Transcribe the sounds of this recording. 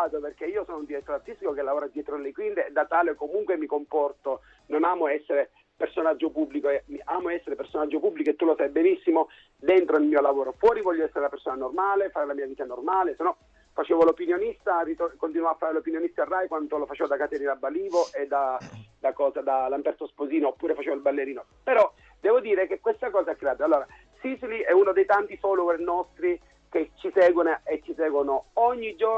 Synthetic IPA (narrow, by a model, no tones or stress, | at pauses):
at̪operkeiːosɔːnound̪iɾɛt̪ːɾoart̪ist̪ikokelːavoːɾad̪jɛːt̪ɾolekwint̪eːd̪ːat̪aːlekomuŋkwemikompɔrt̪o | nonaːmoɛsːeɾe | personad͡ʒːopubːlikoemiaːmoɛsːeɾepersonad͡ʒːopubːlikoet̪ːulosajbenisːimo | d̪ent̪ɾoilmiːolavoːɾofwɔːɾivɔʎːoɛsːeɾelapersoːnanormaːlefaːɾelamiːaviːt̪anormaːlesenːɔ | fat͡ʃeːvolopinjonist̪arit̪okont̪inwaafːaːɾelopinjonist̪arːajkwant̪olofat͡ʃeːvod̪akat̪ɛnilabːaliːvoʔed̪ad̪akɔːzad̪alampɛɾt̪ospoziːnoːpːuːɾefat͡ʃeːvoilbalːeɾiːno | peɾɔ | d̪ɛːvod̪iːɾekekːwest̪akɔːzaɛkːɾeaːd̪alːoːɾa | sisiliɛunod̪ejt̪ant̪ifɔːluɡɛrnɔst̪ɾi | ket͡ʃːisɛːɡwonoet͡ʃːisɛːɡwonooɲːid͡ʒo